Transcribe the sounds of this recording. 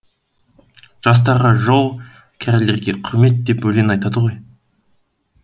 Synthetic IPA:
ʒ̥ɑs̬t̪ɑɾʁɑʒolˠ | kʲʰæɾle̞ɾɡʲeqʰʊɾme̞t̪̚d̪e̞pwɵjle̞nɑjt̪ɑd̪əʁo̞j

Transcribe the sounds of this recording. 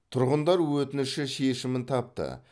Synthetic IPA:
t̪ʰʊɾʁənd̪ɑɾwɵt̪ɪnɪʃɪʃe̞ʃɪmɪnt̪ʰɑp̚t̪ə̰

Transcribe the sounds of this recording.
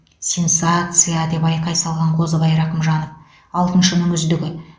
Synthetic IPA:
sʲe̞nsat̪sɨjad̪e̞pɑjqɑjsɑlˠʁɑɴqʰo̞zəbɑjɾɑqəmʒɑnof | ɑlˠt̪ənʃənəɴʏzd̪ɪɡʲɪ

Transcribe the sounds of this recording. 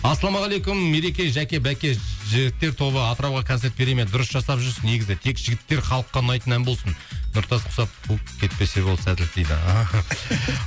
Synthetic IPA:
ɑsɑlˠɑmɑʁɑlˠejkʊmːe̞ɾe̞kʲe̞jʒækʲe̞bækʲe̞ʒɪɡʲɪt̪ːe̞ɾt̪ʰo̞βəɑt̪əɾɑwʁɑkʰot̪se̞ɾt̪̚be̞ɾe̞med̪ʊɾəsʒ̥ɑsɑpʒʏɾsəne̞ɡʲɪzɪt̪ʰe̞kʒɪɡʲɪt̪ːe̞ɾχɑlˠəqːɑnɑjt̪ənænbo̞lˠsənnʊɾt̪ɑsqʰʊ̥sɑpʰukʲʰe̞t̪̚pe̞se̞bo̞lˠd̪əsæt̪ɪlt̪ejd̪ɪ̰ɑ

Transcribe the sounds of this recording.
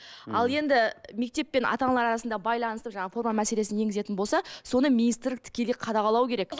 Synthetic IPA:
ɑlˠje̞nd̪ɪme̞k̚t̪e̞pːe̞nɑ̰t̪ɑnlˠɑɾɑɾɑsənd̪ɑbɑjlˠɑnəsəpʒɑɴɑəfo̞ɾmɑmæse̞le̞sɪnje̞ŋɡɪze̞t̪ɪnbolˠsɑso̞nəminijst̪ɪɾlɪk̚t̪ʰɪ̥kʲe̞lejqʰɑd̪ɑʁɑlˠɑwkʲeɾe̞k

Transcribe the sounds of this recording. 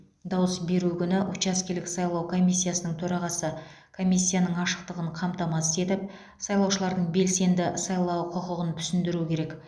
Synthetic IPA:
d̪ɑwəsbe̞ɾukʲʰʏnɪʔʊt͡ʃɑskʲelɪksɑjlˠɑwkʰo̞mʲijsʲːijasənəɴt̪ʰɵɾɑʁɑsə | kʰo̞mʲijsʲːijanəɴɑʃə̥qt̪əʁəɴqʰɑmt̪ɑmɑse̞t̪ɪp̚ | sɑjlˠɑwʃəlˠɑɾd̪əɴbe̞lse̞nd̪ɪsɑjlˠɑwqʰoqəʁənt̪ʰʏ̥sɪnd̪ɪɾuɪkʲʰe̞ɾe̞k

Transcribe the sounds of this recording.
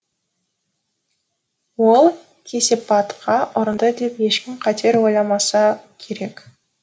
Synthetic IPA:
wolˠ | kʲʰe̞se̞pɑt̪qʰɑʔʊɾənd̪əd̪e̞pje̞ʃkʲɪmqʰɑt̪ʰe̞ɾwo̞jlˠɑmɑsɑkʲʰe̞ɾe̞k

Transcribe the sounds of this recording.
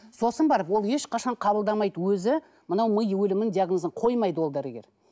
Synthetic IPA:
so̞sənbɑɾəpwo̞lˠje̞ʃqɑʃɑɴqʰɑbəlˠd̪ɑmɑjd̪əwɵzɪ | mənɑwməjwɵlɪmɪnd̪ijaɡnozəɴqʰo̞jmɑjd̪əwo̞lˠd̪ɑɾeɡʲḛɾ

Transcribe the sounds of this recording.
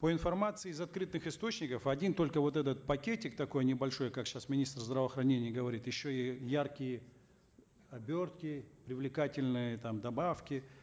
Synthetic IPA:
pəɪnfɐrmat̪sɨɪːzɐt̪̚kɾɨt̪nɨxɨst̪o̞t͡ɕnʲɪkəfɐdʲint̪o̞lʲkəvo̞t̪ɛt̪ət̪̚pɐkʲetʲɪk̚t̪ɐko̞jnʲɪbɐlʲʂo̞jkakɕasmʲɪnʲist̪rzd̪ɾəvəːxɾɐnʲenʲɪjəɡəvɐɾʲit̪jɪɕːoijarkʲɪjə | ɐbʲort̪̚kʲɪpɾʲɪvlʲɪkatʲɪlʲnɨjət̪amd̪ɐbafkʲɪ

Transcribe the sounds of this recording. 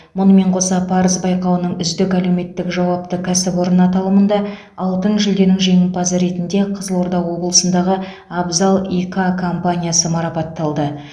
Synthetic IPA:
mʊnəme̞ɴqʰo̞sɑpʰɑɾəzbɑjqɑwənəɴʏzd̪ɪkælewme̞t̪ːɪkʒɑwɑp̚t̪əkʲʰæsɪpwo̞ɾənɑt̪ɑlˠəmənd̪ɑ | ɑlˠt̪ənʒʏld̪e̞nɪŋʒe̞ŋɪnpɑzəɾe̞t̪ɪnd̪e̞qʰəzəlˠo̞ɾd̪ɑqwo̞blˠəsənd̪ɑʁə | abzalˠikakʰo̞mpanʲijasəmɑɾɑpɑt̪ːɑlˠd̪ə

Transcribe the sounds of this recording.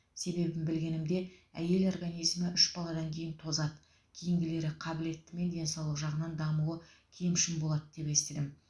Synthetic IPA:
se̞be̞bɪmbɪlɡʲe̞nɪmd̪e̞æje̞lo̞rɡanijzməʔʏʃbɑlˠɑd̪ɑŋkʲʰe̞jɪnt̪ʰo̞zɑd̪ə | kʲʰejɪŋɡʲɪle̞ɾɪqʰɑbɪle̞t̪ːɪme̞nd̪ʲe̞nsɑwlˠəqʒɑʁənɑnd̪ɑmuə | kʲʰe̞mʃɪmbo̞lˠɑd̪əd̪e̞pe̞st̪ed̪ɪm

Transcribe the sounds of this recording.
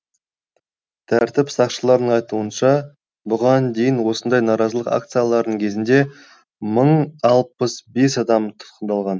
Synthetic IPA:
t̪ʰæɾt̪ɪpsɑqʃəlˠɑɾd̪əɴɑjt̪uənʃɑ | bʊʁɑnd̪e̞jɪnwo̞sənd̪ɑjnɑɾɑzəlˠəqa̰k̚t̪sɨjalˠɑɾd̪əɴkʲʰe̞zɪnd̪e̞ | məɴɑlˠpəsbe̞sɑd̪ɑmt̪ʰʊ̥t̪qənd̪ɑlˠʁɑn

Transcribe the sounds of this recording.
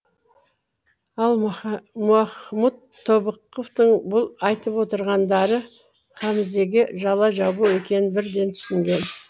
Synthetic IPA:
ɑlˠmuɑχmud̪ʰːo̞bəqːoft̪əɴbʊlˠɑjt̪əpwo̞t̪əɾʁɑnd̪ɑɾə | χɑmɪze̞ɡʲɪʒɑlˠɑʒɑbuwekʲe̞nɪbɪɾd̪e̞nt̪ʰʏ̥sɪŋɡʲe̞n

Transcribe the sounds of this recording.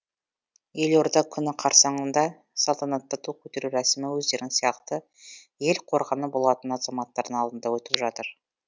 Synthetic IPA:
je̞lo̞ɾd̪ɑkʲʰʏnɪqʰɑɾsɑɴənd̪ɑ | sɑlˠt̪ʰɑnɑt̪ːət̪ʰukʲʰɵt̪e̞ɾuɾæsmɪwɵzd̪e̞ɾɪŋsijɑqt̪ə | je̞lqʰo̞ɾʁɑnəbo̞lˠɑt̪ənɑz̥ɑmɑt̪ːɑɾd̪əɴɑlˠd̪ənd̪ɑwɵt̪ɪpʒɑt̪əɾ

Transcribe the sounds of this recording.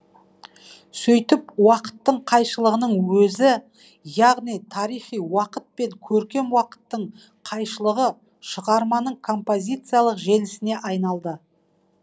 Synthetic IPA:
sɵjt̪ɪpwɑqə̥t̪ːəɴqʰɑjʃəlˠəʁənəɴwɵzɪ | jɑʁnijt̪ʰɑɾijχijwɑqət̪̚pe̞ŋkʲʰɵɾkʲe̞mwɑqə̥t̪ːəɴ | qʰɑjʃəlˠəʁə | ʃəʁɑɾmɑnəɴkʰo̞mpo̞zʲijt̪sɨjalˠəqʒe̞lɪsɪne̞ʔɑjnɑlˠd̪ə

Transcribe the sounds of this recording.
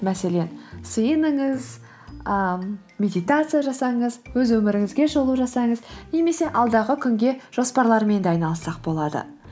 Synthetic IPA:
mæse̞le̞nsəjənəɴəz | ə | mʲe̞d̪ijt̪at̪sɨjaʒɑsɑɴəzwɵzwɵmɪɾɪŋɪzɡʲe̞ʒolˠuʒɑsɑɴəzne̞me̞se̞ʔɑlˠd̪ɑʁəkʲʰʏŋɡʲe̞ʒ̥o̞spɑɾlˠɑɾme̞nd̪ɑjnɑlˠəsɑq̚bo̞lˠɑd̪ə̰

